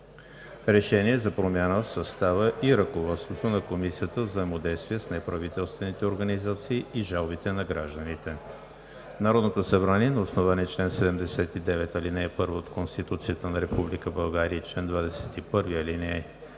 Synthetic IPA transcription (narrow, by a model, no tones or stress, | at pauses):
ɾɛʃɛniɛzɐpɾomʲanəfsɐst̪avəʔiɾəkovɔt̪st̪vot̪onɐkomisijət̪əvzəjɛmod̪ɛjst̪vʲiəsnɛpɾɐvit̪ɛlˠst̪vɛnit̪ɛoɾɡənizat̪siːiʒalˠbit̪ɛnɐɡɾaʒd̪ənit̪ɛ | naɾɔd̪not̪osɐbɾaniɛnɐosnovaniɛt͡ʃlɛnsɛd̪ɛmd̪ɛsɛt̪id̪ɛvɛt̪ɐlinɛːpɤɾvəot̪konst̪it̪ut̪sijət̪ənɐɾɛpublikəbɐlˠɡaɾiət͡ʃlɛnd̪vad̪ɛsɛ̥t̪ipɤɾviəlinɛ